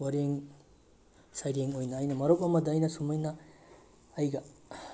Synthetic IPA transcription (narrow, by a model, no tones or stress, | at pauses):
waɾeŋ | sajɾeŋojnɐːjnɐmɐɾɔwp̚ɐmɐdːjnɐsumɐjnɐː | jɡɐ